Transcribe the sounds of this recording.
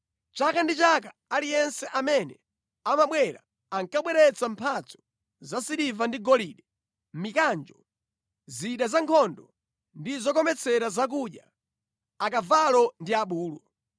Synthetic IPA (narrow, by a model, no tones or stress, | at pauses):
t͡ʃakandit͡ʃakaalijɛnsɛʔamɛnɛ | amaɓwɛɾa̰ː | ŋkaɓwɛɾɛt͡sampʰat͡sʰɔ̥ | zasiɾivandiɡɔliɗɛ | m̩mikand͡ʒɔ | ziɗazaŋkʰɔndɔ | ndizɔkɔmɛt͡sʰɛɾazak̬uɗja | akavalɔndiaɓuːlɔ